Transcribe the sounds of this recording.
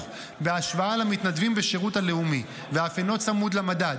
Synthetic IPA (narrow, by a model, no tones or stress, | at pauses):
beaʃvaalamit̪nadvimbeʃeʁuthale̞umi | veafeno̞tt͡samud̪lamadad